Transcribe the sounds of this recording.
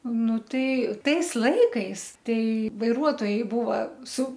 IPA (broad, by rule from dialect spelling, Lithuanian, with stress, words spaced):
ˈnʊ ˈtɐɪ ˈtɐɪs ˈlˠɐɪkɐɪs ˈtɐɪ ʋɐɪˈruɔtoːjɛɪ ˈbuːʋɐ sʊ